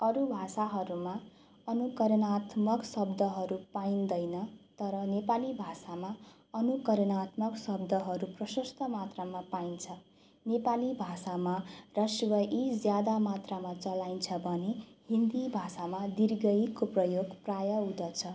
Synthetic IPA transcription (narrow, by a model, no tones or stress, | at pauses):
ʌɾubʱasaɦʌɾuma | ʌnukʌɾʌnat̪mʌksʌb̚d̪ʱʌɦʌɾupaind̪ʌjnʌt̪ʌɾʌnepalibʱasama | ʌnukʌɾʌnat̪mʌksʌb̚d̪ʱʌɦʌɾuprʌsʌst̪ʰʌmat̪ramapaint͡sʰʌ | nepalibʱasamarʌsuwʌʔid͡zjad̪amat̪ramat͡sʌlajnt͡sʰʌbʱʌnehind̪ibʱasamad̪irɡʌjkoprʌjoɡprajʌud̪ʌt͡sʰʌ